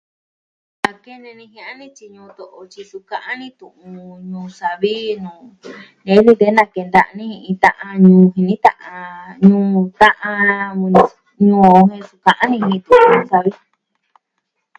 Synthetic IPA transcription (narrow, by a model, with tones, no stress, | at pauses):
a˧ke˦nẽ˧nĩ˧ɦĩ˧ʔã˦nĩ˦t͡ʃi˧ɲũː˧t̪o˨ʔo˧t͡ʃi˧su˧kã˧ʔã˦nĩ˦t̪ũ˨ʔũ˧ɲũː˧sa˨βi˦nũː˨ | nẽ˨˦nĩ˦˧t̪e˧˦nã˧ke˧nd̪a˧nĩ˦˧ĩ˧t̪ã˧ʔã˧ɲũː˧ɦi˧nĩ˦t̪ã̰˧ʔã˧ɲũː˧t̪ã˦ʔã˧ | ɲũː˧˨˧hẽ˧su˧kã˧ʔã˦nĩ˧hĩ˧t̪ũ˧˨ũ˧ɲũ˧˦sa˧βi˦